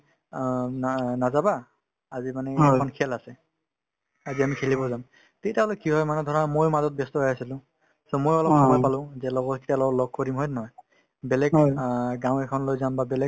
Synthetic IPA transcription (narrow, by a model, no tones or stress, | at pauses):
nazaba | azimanɛɛɔnkʰɛlasɛ | aziamikʰelibɔzam | tetialɔkiɦɔjmanɛdʱɔɹamojmazɔt̚bɛstɔɦɔjasilʊ̃ | sɔmojɔlɔsɔmɔjpalʊ̃zɛlɔɡɔtkʰi̥tialɔɡɔlɔɡ̚kɔɹimɦɔjnɔɔj | bɛlɛɡɡaw̃ɛkʰɔnlojzambabɛlɛ